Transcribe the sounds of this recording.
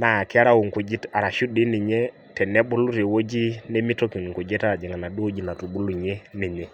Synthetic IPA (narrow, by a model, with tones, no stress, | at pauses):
na˨kɪ˦a˦ɾa˦wu˨ŋ˨ku˨d͡ʒi˦ta˨ɾa˨ʃu˦di˦ni˨ɲe˦ | tɛ˨nɛ˦bu˦lu˦ɾe˨wo˦d͡ʒi˦ne˦mi˦to˦ki˨ŋ˨ŋku˨d͡ʒɛ˦ta˦a˨d͡ʒɛ˨ŋa˨na˨du˦wo˦d͡ʒi˨na˨tu˨bu˦lu˨ɲe˦ni˨ɲɛ˦